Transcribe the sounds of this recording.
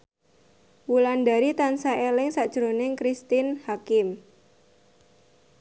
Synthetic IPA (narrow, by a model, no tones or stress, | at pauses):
wulandaɾit̪ansaʔelɪŋsad̥ʒ̥ɾonɪŋkɾist̪ɪnhakɪm